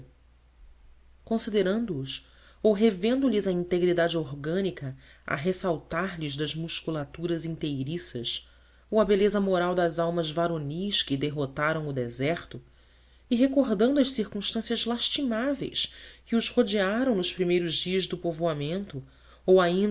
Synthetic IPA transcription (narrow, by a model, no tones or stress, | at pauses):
kõsid̪eɾɐ̃nd̪ʊːs | owɦevẽnd̪ʊlizɐĩnt̪eɡɾid̪ad͡ʒɪoɾɡɐ̃nikɐɐ̰ɦesawt̪aɾlizd̪ɐzmuʃkulat̪uɾɐzĩnt̪ejɾisɐs | owɐbelezɐmoɾawd̪ɐzawmɐzvaɾoniʃkɪd̪eɦot̪aɾɐ̃w̃ʊd̪ezɛχt̪ʊ | ɪɦekoɾd̪ɐ̃nd̪uɐʃsiɾkũʃt̪ɐ̃sijɐzlaʃt͡ʃimavḛjskɪʊzhod͡ʒiaɾɐ̃w̃nʊspɾimejɾʊzd͡ʒiɐzd̪ʊpovoamẽnt̪ʊ | owaĩ